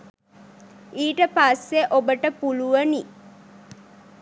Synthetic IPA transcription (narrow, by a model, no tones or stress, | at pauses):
iːʈəpasːeʔobəʈəpuluʋəni